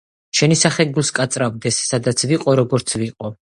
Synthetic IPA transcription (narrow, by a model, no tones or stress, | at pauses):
ʃɛnisaχɛɡulˠskʼat̪sʼɾavd̪ɛsːad̪at̪sʰviqʼɔɾɔɡɔɾt̪sʰviqʼɔ